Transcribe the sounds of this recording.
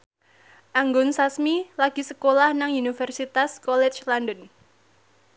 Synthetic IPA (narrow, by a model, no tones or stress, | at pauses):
ʔaŋɡɔnsasmilaɡ̥i̤səkolahnaŋunifɛrsit̪askɔlɛt͡ʃlandɔn